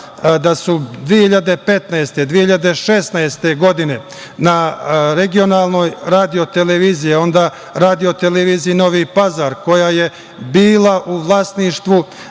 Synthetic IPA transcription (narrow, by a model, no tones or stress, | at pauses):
d̪asud̪ʋiehiʎad̪e̞pe̞t̪naest̪e̞d̪ʋiehiʎad̪e̞ʃe̞snaest̪e̞ɡo̞d̪ine̞ | naɾeɡio̞naːlˠno̞ːjɾaːd̪io̞t̪eleʋiːzijeo̞nd̪aː | ɾaːd̪io̞t̪eleʋiːziino̞ʋiːpazaːɾko̞jaːje̞ | biːlˠaʔuʋlˠaːsniːʃt̪ʋu